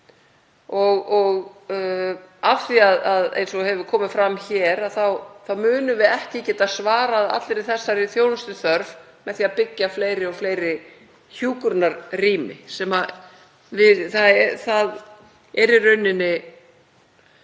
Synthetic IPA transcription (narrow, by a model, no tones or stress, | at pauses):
ɔɣɔɣ | afθiaðaðḛjnsɔhɛvʏkʰɔːmɪfɾamçɛːɾaðθawθawmʏːnʏvɪðɛhcɪcɛːt̪aðsvaːɾaːða̰t̪lɪɾɪθɛsːaɾɪθjownʏst̪ʏθœɾv | mɛðθiːapɪcːafleːjɾɪɔɣfleːjɾɪ | çuːkʏɾnaɾriːmɪ̰sɛma | vɪðθaðɛθað | ɛɾɪrœɥnːɪnːɪ